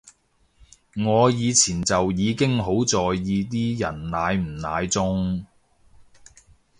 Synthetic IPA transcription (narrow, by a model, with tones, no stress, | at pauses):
ŋɔː˨˧jiː˨˧t͡sʰiː˨˩nt͡sɐ˨wjiː˨˧kɪ˥ŋɦo˨˥wt͡sɔː˨˩jːiː˨˧t̪̬iː˥jɐ˨˩nnaː˨˧jm̩˨˩naː˨˧jt͡sʊ˥ŋ